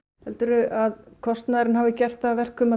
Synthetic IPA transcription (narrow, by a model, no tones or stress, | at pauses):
hɛlt̪ʏɾʏaðkʰɔst̪naðɾɪnhaːvɪcɛr̥t̪θavɛr̥kʏma